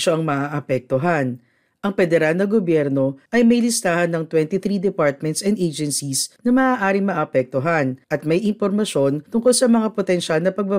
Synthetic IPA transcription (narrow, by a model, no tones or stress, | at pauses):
ʃoʔɐŋmɐʔaʔɐpɛk̚t̪oɦan | ʔɐŋpɛd̪ɛɾalnɐɡobjɛɾno̞ʔɐjmɐjlɪst̪aːhɐnːɐŋt̪wɛnt̪iθɾid̪ɛpaɹt̪̚mɛnt̪sɛnd̪ʔejd͡ʒɛnsisnɐmɐʔaːʔaːɾɪŋmɐʔapɛk̚t̪oɦanʔɐt̪̚mɐjʔɪnpoɾmɐʃo̞nt̪ʊŋkolsɐmɐŋapot̪ɛnʃalnɐpɐɡ̚bɐ